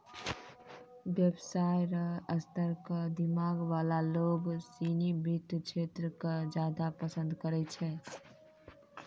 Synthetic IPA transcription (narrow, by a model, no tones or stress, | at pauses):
bjəbsajɾəəst̪əɾkəd̪imaɡʋalaloɡsinibit̪t͡ʃʰet̪ɾəkəd͡ʒad̪apəsə̃nd̪kəɾɛt͡ʃʰɛ